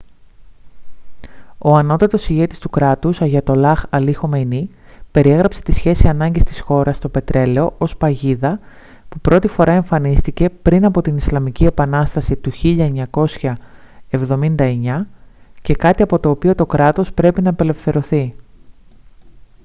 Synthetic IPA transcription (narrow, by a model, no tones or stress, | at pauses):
o̞ɐno̞t̪ɐt̪o̞siʝe̞t̪i̥st̪ukɾɐt̪usɐʝɐt̪o̞lɐxɐlixo̞meni | pe̞ɾie̞ɣɾɐpse̞̥t̪isçe̞siɐnɐɲɟist̪i̥sxo̞ɾɐst̪o̞pe̞t̪ɾe̞le̞o̞ʔo̞spɐʝiðɐ | pupɾo̞t̪ifo̞ɾʔɐe̞ɱfɐnist̪ice̞pɾinɐpo̞t̪inislɐmicie̞pɐnɐst̪ɐsit̪uçiʎɐeɲɐko̞sçɐ | e̞vðo̞mind̪ɐe̞ɲɐce̞kɐt̪iɐpo̞t̪o̞ːpio̞t̪o̞kɾɐt̪o̞spɾe̞pinɐpe̞le̞fθe̞ɾo̞θi